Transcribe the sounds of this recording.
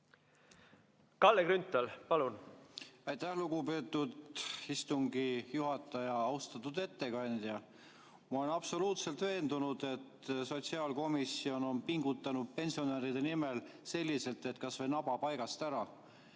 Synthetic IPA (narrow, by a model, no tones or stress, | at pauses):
kɑlːekɾynt̪ːˑɑlpɑlun | æjt̪æhluɡ̥ube̞ːt̪ːˑud̪ist̪uŋɡijuɦɑt̪ːˑɑjɑɑwst̪ɑt̪ːˑud̪e̞t̪ːe̞kɑnʲd̪̥jɑ | mɑolenɑpso̞luːt̪se̞lt̪ve̞ːnd̪unud̪̥e̞t̪so̞t̪siɑːlko̞misio̞no̞npiŋɡ̥ut̪ːˑɑnud̪̥̚pe̞nʲsio̞neːɾid̪e̞nime̞lse̞lʲːise̞lt̪ːˑe̞t̪ːˑkɑsvejnɑbɑpɑjɡɑst̪æɾɑ